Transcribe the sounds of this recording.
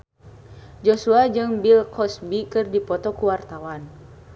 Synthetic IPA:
d͡ʒɔsuad͡ʒɨŋbilkʰɔsbikɨrdipɔt̪ɔkuwart̪awan

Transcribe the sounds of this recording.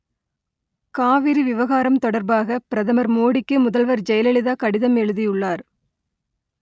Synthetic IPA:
kaːʋɪɾiʋɪʋɐɣaːɾɐmt̪ɔɽɐɾbaːɣɐpɪɾɐðɐmɐɾmoːɽɪkːɯmʊðɐlʋɐɾd͡ʒɛjɐlɛɭɪðaːkɐɽɪðɐmɛɻɯðɪjʊɭːaːɾ

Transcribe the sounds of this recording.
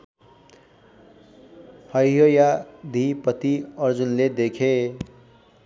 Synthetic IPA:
hʌjɦojad̪ʱipʌt̪iʌrd͡zunled̪ekʰe

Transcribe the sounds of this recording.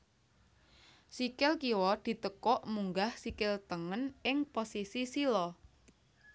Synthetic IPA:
sikɪlkiwɔd̪̥i̤t̪əkɔʔmuŋɡahsikɪlt̪əŋənɪŋposisisilɔ

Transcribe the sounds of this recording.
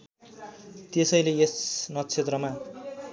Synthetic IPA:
t̪esʌjleesnʌt͡sʰet̪rʌma

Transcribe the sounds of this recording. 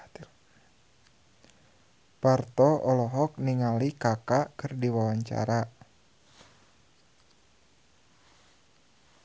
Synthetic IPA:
part̪ɔɔlɔɦɔk̚niŋalikakaʔkɨrdiwawaɲt͡ʃa̰ɾa

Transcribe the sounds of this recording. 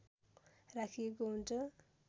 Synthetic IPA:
rakʰijekoɦunt͡sʰʌ

